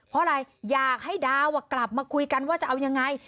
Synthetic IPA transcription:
pʰɔ˧˥a˧ɾa˧jːaː˨˩k̚ha˥˩jdaː˧wa˧˩kla˨˩p̚maː˧kʰu˧jka˧nwaː˥˩t͡ɕa˨˩ʔa˧wja˧ŋːa˧j

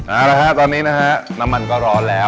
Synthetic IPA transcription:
ʔaː˧˩la˦˥kʰa˦˥ʔt̪ɔː˧nːiː˦˥na˦˥kʰa˦˥ʔna˦˥mːa˧nkɔː˥˩ɾɔː˧lɛː˦˥

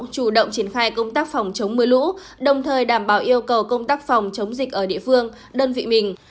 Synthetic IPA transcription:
ŋ͡mt͡ɕu˧˩ɗə̰˧˨wŋ͡mt͡ɕi˧˩ənxaː˧jkə˧wŋ͡mt̪aː˦˥k̚fa˨˩wŋ͡mt͡ɕə˨˦wŋ͡mmɨ˧əlṵ˧˥ | ɗə˨˩wŋ͡mt̪ʰəː˨˩jɗaː˧˩mɓaː˧˩wʔi˧əwkə˨˩wkə˧wŋ͡mt̪aː˦˥k̚fa˨˩wŋ͡mt͡ɕə˨˦wŋ͡mzi˨˩k̚ʔəː˧˩ɗḭ˧˨əfɨ˧əŋ | ɗəː˧nvḭ˧˨mï˨˩ŋ̟

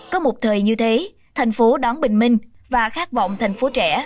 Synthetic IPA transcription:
kɔ˨˦mo˨˩t̚t̪ʰəː˨˩jɲɨ˧t̪ʰe˨˦ | t̪ʰa˨˩jŋ̟fo˨˦ɗɔ˨˦nɓï˨˩ŋ̟mï˧ŋ̟vaː˨˩xaː˦˥k̚vɔ̰˧˨wŋ͡mt̪ʰa˨˩jŋ̟fo˨˦t͡ɕɛ̰˧˩˥

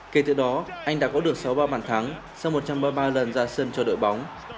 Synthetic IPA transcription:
ke˨˩t̪ɨ̰˧˩ɗɔ˨˦ʔa˧ŋ̟ɗa̰ː˧˥˩kɔ˨˦ɗɨ˨˩ək̚sa˨˦wɓaː˧ɓaː˧˩nt̪ʰaː˨˦ŋ | sa˧wŋ͡mmo˨˩t̚t͡ɕa˧mɓaː˧ɓaː˧lə˨˩nzaː˧səː˧nt͡ɕɔ˧ɗo̰˧˨jɓa˨˦wŋ͡m

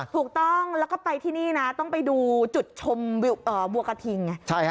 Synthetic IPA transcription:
t̪ʰuː˨˩k̚t̪ɔ˥˩ŋlɛː˦˥wkɔː˥˩pa˧jt̪ʰiː˥˩niː˥˩na˦˥t̪ɔ˥˩ŋpa˧jduː˧t͡ɕu˨˩t̪̚t͡ɕʰo˧m˧ʔɤː˨˩bu˧ɐka˧t̪ʰi˧ŋːa˧˩t͡ɕʰa˥˩j

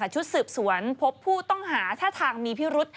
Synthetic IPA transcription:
a˧˩t͡ɕʰu˦˥t̪̚sɯː˨˩p̚su˩˦ənpʰo˦˥pʰːuː˥˩t̪ɔ˥˩ŋɦaː˩˦t̪ʰaː˥˩t̪ʰaː˧ŋmiː˧pʰi˦˥ɾu˦˥t̪̚

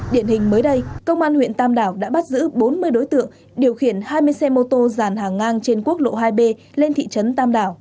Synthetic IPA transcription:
ɗi˧˩ənhï˨˩ŋ̟məː˨˦jɗə˧jkə˧wŋ͡mʔaː˧nhwḭ˧˨ənt̪aː˧mɗaː˧˩wɗa̰ː˧˥ɓa˦˥t̚zɨ̰˧˥ɓo˨˦nmɨ˧əjɗo˨˦jt̪ɨ̰˧˨əŋ | ɗi˨˩əwxi˧˩ənhaː˧jmɨ˧əjsɛ˧mo˧t̪o˧zaː˧˩nhaː˨˩ŋːaː˧ŋt͡ɕe˧nku˦˥ək̚lo̰˧˨ɦaː˧jɓe˧ | le˧nt̪ʰḭ˧˨t͡ɕə˨˦nt̪aː˧mɗaː˧˩w

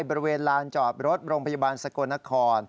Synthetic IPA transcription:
jbɔː˧ɾi˧weː˧ənlaː˧nt͡ɕɔː˨˩t̪̚ɾo˦˥t̪̚ɾoː˧ŋpʰa˧ja˧˩ɓaː˧nsa˧˩ko˧nːa˦˥kʰɔː˧n

